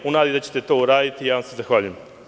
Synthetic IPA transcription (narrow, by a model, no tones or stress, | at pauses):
unaːd̪id̪at͡ɕe̞̥t̪e̞t̪o̞ːuɾaːd̪it̪ijaːʋamsezaxʋaːʎujem